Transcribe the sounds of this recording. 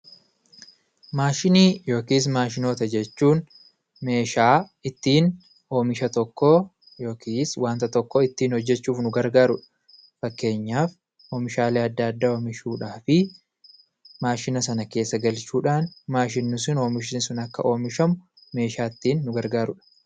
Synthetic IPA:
maːʃɪniːjo̞ːkiːs̬maːʃ̬ɪno̞ːt̪ɐd͡ʒɛt͡ʃːuːn | me̞ːʃaːɪt̪ːiːn | ʔo̞ːmɪʃɐt̪ɔkːɔ | jo̞ːkʰiːswaːnt̪ɐt̪ɔkːɔɪt̪ːiːnhɔd͡ʒːɛt͡ʃːuːfnʊɡɐɾɡaːɾʊᶑɐ̥ | fɐkːe̞ːɲːaːf | oːmɪʃaːleːɐd̪ːaːɐd̪ːaːoːmɪʃuːᶑaːfɪ | maːʃɪnɐsɐnɐke̞ːsːɐɡɐlt͡ʃuːᶑaːnmaːʃ̬ɪnːʊsɪno̞ːmɪʃɪnsʊnɐkːɐ̰ʔo̞ːmɪʃɐmʊ | me̞ːʃaːɪt̪ːiːnːʊɡɐɾɡaːɾʊᶑɐ̥

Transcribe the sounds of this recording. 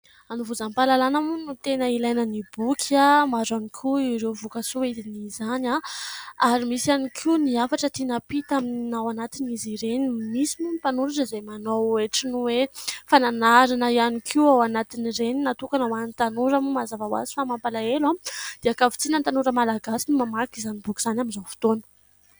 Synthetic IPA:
anuvuzampalalanamunut̪enəilajnənib̥ukʰamaɾanikʰuiɾewvukasuid̪inizanaaɾimisianikʰiniafaʈ͡ʂət̪inapit̪aminawanat̪iniziɾenimisimumipanuɾaʈ͡ʂəzemanoeʈ͡ʂinuwefananaɾanəianikʰiwawanat̪iniɾeninat̪ukanawanit̪anuɾamumazavawa̰zi̥famampalaelamd̪̥eakavu̥t͡s̪inant̪anuɾəmalaɡasinumamakizanibukiz̥anaminzawfi̥t̪onə̥

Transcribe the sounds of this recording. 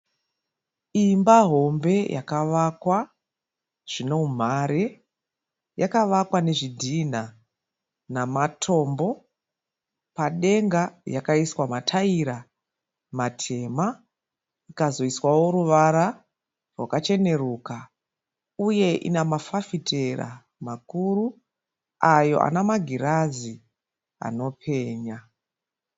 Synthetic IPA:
imbaɦo̞mbe̞jʔa̰kaʋakwa | ʐ̥ino̞um̤aɾe | jakaʋakwane̞ʐidʱina | namatʰo̞ːmbo̞ | paɗe̞ŋɡajakaiswamatʰaiɾa | matʰe̞ma | ikazo̞iswawo̞ɾuʋaɾa | rwakat͡ʃe̞ne̞ruːka | uje̞ʔḭnamafafitʰe̞ra̰ | makuru | ajo̞̰ʔa̰namaɡʱiɾazi | a̰no̞pʰe̞ːɲa

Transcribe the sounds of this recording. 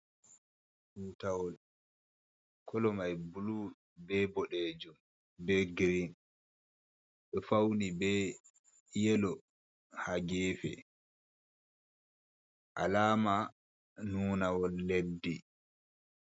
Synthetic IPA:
huːtawɔl | kʰɔlɔmajbulu | bɛbɔɗed͡ʒum | bɛɡɾin | ɓɛfawnibɛ | jɛlɔ | haɡɛːfɛ̰ | ʔa̰laːma | nuːnawɔlːedi

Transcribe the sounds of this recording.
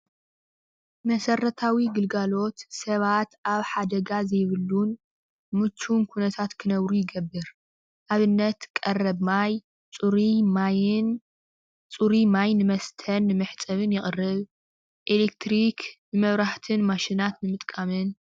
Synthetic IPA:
mɐsɐrɐt̪ʰawiɡɨlɡalo̞t̪sɐβat̪aβħad̪ɐɡazɐjβɨlːun | mɨt͡ʃʰːunkʰunɐt̪ʰat̪kʰɨnɐβɾujɪɡɐbːɨɾ | ʔaβɨnːɐt̪kʼɐrɐβmaj | t͡sʼuɾiman | t͡sʼuɾimajnɨmɐst̪ʰɐnːɨmɨħt͡sʼɐβɨnjɪχʼɨrːɨβ | ʔelekt̪ʰɾiknɨmɐβɾaħt̪ʰɨnmaʃinat̪nɨmɨt̪ʼkʼamɨn

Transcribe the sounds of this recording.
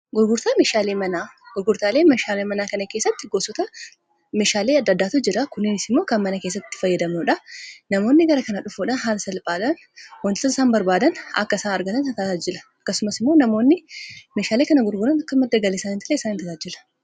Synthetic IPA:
ɡʊɾɡʊɾt̪aːmeʃaːleːmɐnaɡ̥ʊɾɡʊɾt̪aːle̞ːmeʃaːlemɐnaːkɐnɐke̞ːsːɐt̪ːɪɡoːsɔt̪ɐ | meːʃaːleːɐd̪ːɐd̪ːaːt̪ʊd͡ʒɪɾɐkʊnːɪnɪsɪmːo̞ːkɐnmɐnɐke̞ːs̬ːɐt̪ːɪ̥fɐjːɐd̪ɐmnʊᶑɐnɐmo̞ːnːɪɡɐɾɐkɐnɐᶑʊfuːᶑɐnɦaːlɐsɐlpʼaːᶑ̪ɐn | wɐnt̪ɪ̥sɔsaːmbɐɾbaːd̪ɐnɐ̰kːɐɪsaːnɐɾɡɐt̪ɐnsɐt̪aːt̪ɐd͡ʒɪlɐ̥ɐkːɐsʊmɐsɪmːoːnɐmo̞ːnːɪmeːʃaːleːkɐnɐɡʊɾɡʊɾɐnɐkːɐmɐd̪ːɐɡɐlɪsaːnɪt̪ɐleɪsaːnɪnt̪ɐt̪aːd͡ʒɪlɐ̥

